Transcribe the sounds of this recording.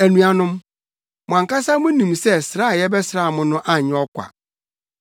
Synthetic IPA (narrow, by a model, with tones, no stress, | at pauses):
æ˨nũ˨a˨nʊ̃˦m | mʊ̃˨ã˨ŋka˦sa˦mʊ̃˦nĩ˨msɛ˦sɾa˦˨jɛ˦bɛ˦sɾa˦˨mʊ̃˨nʊ̃˦ʔa˦˨ɲɪ̃˦ɔ˦kʷa̰˨